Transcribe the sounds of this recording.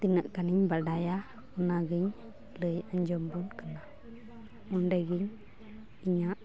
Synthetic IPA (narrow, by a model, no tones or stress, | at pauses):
t̪inəʔkaniɲbaɖaja | unaɡiɲ | ləjaɲd͡ʒɔmbunkəna | munɖaɡiɲ | iɲaʔ